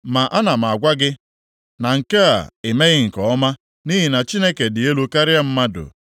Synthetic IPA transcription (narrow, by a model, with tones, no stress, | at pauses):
ma˨ʔa˦na˨m˨a˨ɡʷa˦ɡɪ˦ | na˨ŋ̩˨ka˦a̰˨e˨me˦ɣɪ˦ŋ̩˨kɔ˨ɔ˦ma˦ | ni˦ɦi˨na˨t͡ʃi˦ne˦ke˨dɪ˨e˦lu˦ka˦ɾɪ˦a˦m̩˦ma˦dʊ̰˨